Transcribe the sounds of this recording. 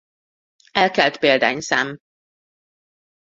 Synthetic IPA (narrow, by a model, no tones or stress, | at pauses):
ɛlkɛlt̪peːld̪a̰ːɲsɛm